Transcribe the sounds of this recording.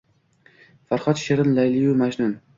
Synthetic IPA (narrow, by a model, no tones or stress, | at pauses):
faɾχɒt̪ʃeɾɪnlajlijumaʒnʊn